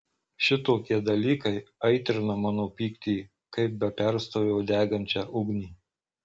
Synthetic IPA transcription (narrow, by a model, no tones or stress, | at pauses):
ʃʲɪt̪oːkʲiɛd̪ɐlʲiːkɐɪɐɪt̪ʲɾʲɪnɐmɑːnoːpʲiːkt̪ʲiː | kɐɪp̚bʲɛpʲɛɾst̪oːjʲɛʊd̪ʲæːɡɐnʲt͡ʃʲæːʔʊɡnʲiː